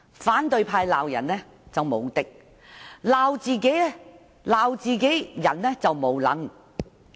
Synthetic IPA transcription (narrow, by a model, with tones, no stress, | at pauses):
faː˨˥nt̪ɵ˧ɥpʰaː˧jlaː˨˧wjɐ̰˨˩nːɛː˥ | t͡sɐ˨wmo˨˧wt̪ɪ˥k̚ | laː˨˧wt͡siː˨ke˨˥jɛ˥ | laː˨˧wt͡siː˨ke˨˥jjɐ˨˩nːɛ˥t͡sɐ˨wmo˨˧wlɐ̰˨˥ŋ